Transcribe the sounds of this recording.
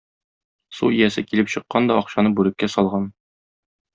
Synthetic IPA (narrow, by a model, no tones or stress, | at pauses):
sṵijæsɘkilɘpɕɤ̆qːɑnd̪ɒɒqɕɑnɤbʉɾɘ̆kːæsɒlˠʁɑn